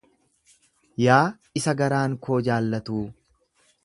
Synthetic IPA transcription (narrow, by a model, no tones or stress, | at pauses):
jaː | ɪsɐɡɐɾaːŋkoːd͡ʒaːlːɐt̪uː